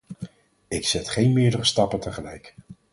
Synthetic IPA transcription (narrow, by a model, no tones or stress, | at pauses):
ɪksɛtχejnmɪːɹdərəstɑpəntəχəlɛ̰jk